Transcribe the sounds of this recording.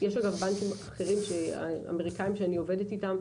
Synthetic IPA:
jeʃaɡavbankimaχe̞ʁimʃea̰a̰meʁikaimʃeanio̞ve̞detitam

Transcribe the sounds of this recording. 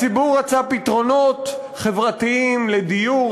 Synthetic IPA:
t͡sibuʁːat͡sapit̪ʁo̞no̞t̪ | χe̞vʁat̪iimled̪iju

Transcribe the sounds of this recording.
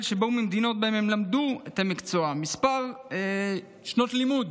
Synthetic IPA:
lʃeboumemd̪ino̞t̪̚baememlamd̪uet̪amikt͡so̞amispaʁe | ʃno̞tlimud̪

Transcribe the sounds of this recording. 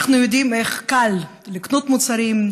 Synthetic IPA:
χnujod̪imeχkal | liknut̪mut͡saɾim

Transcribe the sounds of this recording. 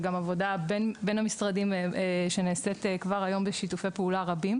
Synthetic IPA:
ɡamavo̞dabenbe̞nhamisʁadimʃeneːsetekvaʁajo̞mbeʃitufejpeulaʁabim

